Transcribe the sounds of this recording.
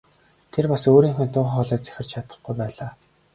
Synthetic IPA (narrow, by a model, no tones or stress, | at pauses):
t̪ʰerpasoːɾiːŋxʊːnt̪ʊːχχɔɮɔːt̪t͡sæ̥xʲɪ̆rt͡ɕʰat̪ə̆χɡujpæːɮaː